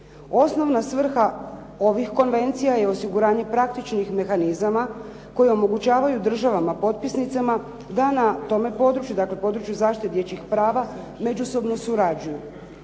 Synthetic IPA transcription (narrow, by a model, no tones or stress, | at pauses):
o̞sno̞ʋnasʋr̩xa | o̞ʋixko̞nʋe̞nt̪sijaje̞o̞siɡuɾaːɲe̞pɾak̚t̪it͡ʃnixme̞xanizama | ko̞jeo̞mo̞ɡut͡ɕaːʋajud̪r̩ʒaʋamapo̞t̪̚pisnit̪sama | d̪anat̪o̞me̞po̞ːd̪ɾut͡ʃjud̪akle̞po̞d̪ɾut͡ʃjuzaːʃt̪it̪ed̪je̞t͡ɕixpɾaːʋa | me̞d͡ʑuso̞bno̞suɾad͡ʑuju